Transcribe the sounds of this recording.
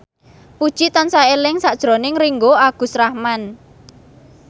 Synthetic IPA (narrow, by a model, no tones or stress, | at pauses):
pud̥ʒ̥it̪ansaelɪŋsaʔd̥ʒ̥ɾo̤nɪŋriŋɡoaɡ̥ṳsɾahman